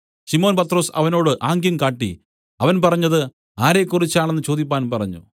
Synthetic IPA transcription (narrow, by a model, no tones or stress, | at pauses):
ɕimo̞ːnpɐt̪ro̞ːsɐ̰ʋɐno̞ːɽɨʔaːŋɡjɐmkaːʈːḭ | ɐʋɐnpɐrɐɲːɐðɨ | aːɾe̞ːkːurit͡ɕːaːɳe̞nːɨt͡ɕo̞ːd̪ip̬ʲːaːnpɐrɐɲːṵ